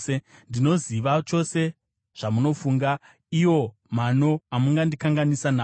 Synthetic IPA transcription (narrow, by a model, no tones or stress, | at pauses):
endino̞ziʋat͡ʃo̞se̞ | ʐ̥amuno̞fuŋɡa | iwo̞ | mano̞amuŋɡandikaŋɡanisana